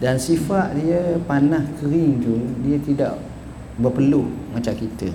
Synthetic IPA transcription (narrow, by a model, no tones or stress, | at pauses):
dansifaʔdiəpanahkəɾɪŋd͡ʒuŋdiət̪ida̰ʔ | bərpəlumat͡ʃamkit̪ə